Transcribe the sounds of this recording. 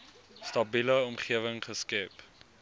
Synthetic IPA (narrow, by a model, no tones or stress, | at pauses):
stɐbiləɔmχiəvəŋχəskɛp